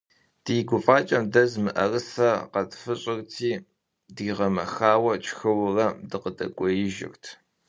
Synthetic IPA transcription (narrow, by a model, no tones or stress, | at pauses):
d̥ijɡʷʊfʼaːt͡ʃʼɐmdɐzmɨʔɐrɨsɐqɐtfɨɕʼɪrtʰiː | diːʁɐmɐxaːwɐt͡ʃʰʼxɨwʊrɐdɨqədʼɐ̰kʷʼɔjɪʒɪ̰xtʰ